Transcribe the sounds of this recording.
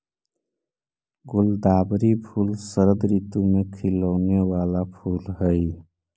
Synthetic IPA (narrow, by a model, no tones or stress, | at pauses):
ɡʊld̪aːbɾipʰuːlsəɾəd̪ɾiːt̪umẽkʰɪləːnewaːlapʰuːlɦɛi